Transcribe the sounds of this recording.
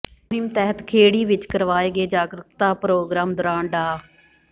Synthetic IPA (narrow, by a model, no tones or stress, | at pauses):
ʊɦɪmt̪ɛɦət̪kʰeːɽiːʋɪt͡ʃkəɾʋaːeːɡeːd͡ʒaːɡɾəkt̪aːpɾoːɡɾaːmd̪ʊɾãːɳɖaː